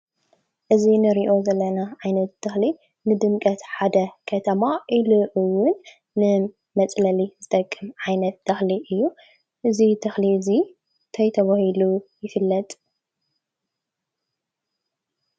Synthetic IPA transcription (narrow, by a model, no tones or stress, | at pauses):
ʔɨzinɨɾiʔo̞zɐlːɐnaʕajnɐt̪̚d̪̥ɐxli | nɨd̪ɨmkʼɐt̪ħad̪ɐkʰɐt̪ʰɐmaʔiluʔɨwʊnː | ɨ | mɐt͡sʼlɐlizɨt̪ʼɐkʼːɨmʕajnɐt̪̚d̪̥ɐxliʔɨjːu | ʔɨzit̪ʰɐxlizi | t̪ʰɐjt̪ʰɐβahilujɪfɨlːɐt̪ʼ